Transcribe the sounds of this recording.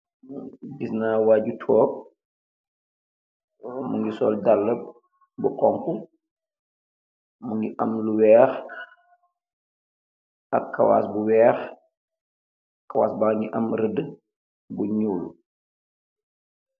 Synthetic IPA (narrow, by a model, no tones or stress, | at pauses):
disnaːwaːɟutʰɔːk̚ | muŋɡisɔːldɐlːə | bukɔŋku | muŋɡiʔɐmluwɛːx | ɐkʰːɐwa̰ːsbuwɛːx | kːawa̰ːsbaŋɡiʔɐmrədə | buɲul